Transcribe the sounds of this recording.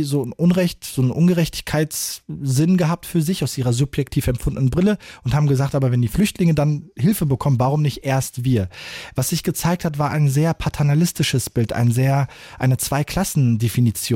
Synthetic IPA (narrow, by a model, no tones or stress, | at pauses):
zoːnʔʊnʁɛçtz̥oːnnʔʊnɡəʁɛçtɪ̥çkʰaɪtsz̥ɪnɡəɦaːp̚tfyːɐzɪçaʊsʔiːʁɐzʊpjɛk̚tʰiːfɛmfʊndnənbʁɪləʔʊnthaːbm̩ɡəzaːktʔaːbɐvɛndiːflʏçtlɪŋədanɦɪlfəbəkʰɔmənvaːʁʊmnɪçtʔeːɐstv̥iːɐvasz̥ɪçɡ̥ət͡saɪk̚thatv̥aːɐʔaɪnzeːɐpʰatʰɛɐnalɪstɪʃəsb̥ɪltʔa̰ɪnzeːɐʔaɪnət͡sv̥aɪkʰl̥asn̩definit͡sjoː